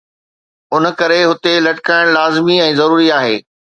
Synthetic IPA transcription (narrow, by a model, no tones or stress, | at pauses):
ʊnəkɐɾeɦʊt̪elɐʈɪkaːɪɽ̃laːzɪmiɛ̃ːzɐɾuːɾiaːɦeː